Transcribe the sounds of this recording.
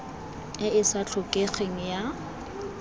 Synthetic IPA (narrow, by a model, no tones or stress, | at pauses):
ɪɪsat͡ɬʰʊkʼeχeŋ̩ja